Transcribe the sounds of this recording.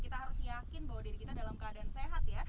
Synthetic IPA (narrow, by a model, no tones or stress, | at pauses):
kit̪aɦaɾʊsjakɪnbawadiɾikit̪adalamkadanseɦat̪ja